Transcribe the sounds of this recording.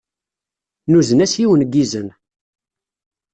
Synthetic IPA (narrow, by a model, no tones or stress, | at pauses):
nuzənæsjiwənɡizən